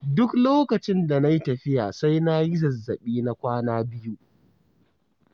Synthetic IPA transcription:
dʊ˦kloː˦kɐ˨t͡ʃɪ˦nda˨na˦ji˦tɐ˨ɸɪ˦ja̰ː˨sa˦jna˦ji˦zɐ˨zːɐ˨ɓiː˦na˦kʷaː˦naː˦bɪ˦ju˦

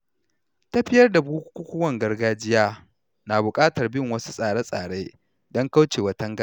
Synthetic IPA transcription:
tɐ˦ɸɪ˦jɐ˦rda˨buː˦kʷu˦kʷu˦kʷʊ˦wɐ˨ŋɡɐ˦rɡaː˦d͡ʒɪ˦jaː˦ | naː˨bʊ˨kʼaː˦tɐ˨rbɪ˦˨ŋwɐ˦su̥˦sʼaː˨ɽe˦sʼaː˨ɽeː˦ | dɔ˦ŋka˦wt͡ʃeː˨wɐ˨˦tɐ˦ŋɡa˦

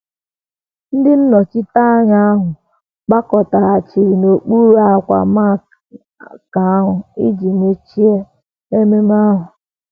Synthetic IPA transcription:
n̩˦dɪ˦n̩˦nɔ˨t͡ʃɪ˦ta˦ɣa˦a˦ɦʊ˨ | k͡pa˦kɔ˨ta˨a˨t͡ʃi˨ɾi˨no˨k͡pu˦ɾu˦a˦˨kʷa̰˨ma˦˨ | ka˨a˦ɦʊ˨ḭ˦d͡ʒi˨me˨t͡ʃi˦e˦ | e˦me˦m˦a˦ɦʊ˨

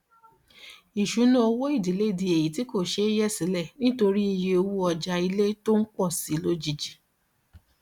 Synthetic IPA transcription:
i˨ʃu˨˦nũ˦o˧wo˦i˦˨di˨˦le˦˨di˧e˨ji˨ti˨˦ko˦˨ʃe˧˦jɛ˦˨si˨˦lɛ˦˨nĩ˦to˧ɾi˦i˧je˧o˧wu˦ɔ˧d͡ʒa˧i˧le˦to˦n̩˦k͡pɔ˦˨si˨˦lo˦d͡ʒi˧d͡ʒi˨

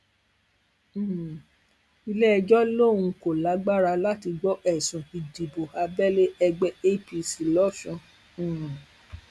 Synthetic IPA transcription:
i˧lɛ˦ɛ˧d͡ʒɔ˦lo˦˨wũ˧ko˨la˨˦ɡ͡ba˦˨ɾa˧la˦ti˧ɡ͡bɔ˦ʔɛ˦˨sũ˨i˧di˨bo˨a˧bɛ˦le˦ɛ˧ɡ͡bɛ˦e˦˨pi˧si˨lɔ˦˨ʃɔ̃˧˦˨

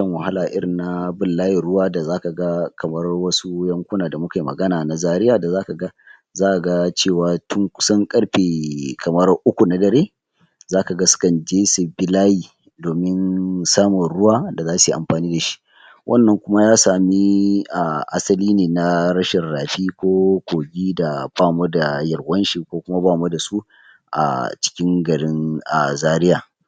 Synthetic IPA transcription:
ɐ˨ŋwɐ˨ha˦laː˨ʔɪ˦ɾɪ˨nːa˦bɪ˨lːaː˦ji˨ɽʊ˦waː˦da˨zaː˦ka˨ɡa˦kɐ˨mɐ˦rwɐ˦su˦jɐ˦ŋkʷʊ˦naː˨da˨mʊ˦ka˨ji˨mɐ̰˨ɡɐ˦naː˨na˨zaː˦ɾɪ˦jaː˨da˨zaː˦ka˨ɡa˦ | zaː˦ʔa˨ɡa˦t͡ʃeː˦˨waː˨tʊ˦ŋkʷʊ̥˦sɐ˦ŋkʼɐ˦ɽɸeː˨kʰɐ˨mɐ˦rʔʊ˦kʷu˨na˨dɐ˨ɾeː˦ | zaː˦ka˨ɡa˦sʊ̥˦kɐ˨nd͡ʒeː˦su˨bɪ˦laː˦jiː˨ | doː˨mɪ˦nsaː˦mɔ˨nɽʊ˦waː˦da˨zaː˦su˨ʔa̰˨mɸaː˨niː˦da˨ʃi̥˦ | wʔɐ̰˦˨nːɐ˨ŋkʷʊ˦ma˦jaː˦saː˨mi˦ʔa˨ʔa˦sɐ˦liː˦neː˨na˦ɾɐ˦ʃɪ˨rːaː˨ɸiː˦kʷoː˦kʷoː˨ɡʲiː˦da˨baː˦˨ma˦da˨jɐ˨ɾwɐ˦nʃi˨kʷoː˦kʷʊ˦ma˦baː˦˨mɐ˦da˨su˦ | ʔa̰˨t͡ʃɪ̥˦kʲɪ˦ŋɡɐ˨ɽɪ˦nʔa˨zaː˦ɾɪ˦jaː˨

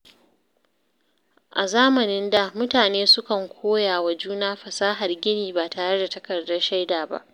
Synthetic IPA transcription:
ʔa̰˨zaː˦mɐ˨nɪ˦nda˨mʊ˦taː˨neː˦sʊ˦kɐ˨ŋkʷʰoː˦jaː˨wa˨d͡ʒuː˦naː˦ɸɐ˨saː˦ɦa˨rɡʲɪ˦niː˨baː˨taː˨ɾɐ˦da˨tɐ˨kɐ˨rdɐ˦rʃa˦jdaː˨ba̰˦ʔ

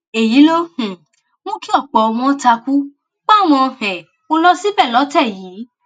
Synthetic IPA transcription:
e˨ji˨˦lo˦h̩˨ | mõ˦ki˦ɔ˦˨k͡pɔ˨˧ɔ˧w̃ɔ̃˧˦ta˧ku˦ | k͡pã˦˨w̃ɔ̃˧˨hɛ̃˨ | o˦lɔ˦si˦bɛ˦˨lɔ˨˦tɛ˦˨jiː˨˦

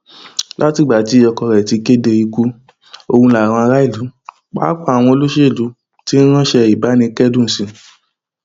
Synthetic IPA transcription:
la˦ti˦˨ɡ͡ba˨ti˨˦ɔ˧kɔ˧ɾɛ˨ti˨˧ke˦de˧i˧ku˧˦ | o˧wũ˧la˨ɾ̃ɔ̃˧a˧ɾa˦i˦˨lu˨˦ | k͡pa̰ː˨˦k͡pa˦a˨w̃ɔ̃˧o˧lo˦ʃe˦˨lu˨˦ | ti˦n̩˦ɾ̃ã˦ʃɛ˧i˨ba˨˦nĩ˧kɛ˦dũ˦n̩˨sĩ˧

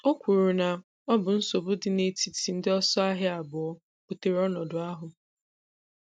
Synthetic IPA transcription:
o˦kʷu˨ɾu˨na˨ | ɔ˦bʊ˨n̩˦so˨bʊ˦dɪ˨ne˨ti˨ti˨n̩˦dɪ˦ɔ˦sɔ˦a˦ɦɪ˦a˨bʊ˨ɔ˦ | pʊ˨te˨ɾɔ˦nɔ˨dʊ˨a˦ɦʊ˨

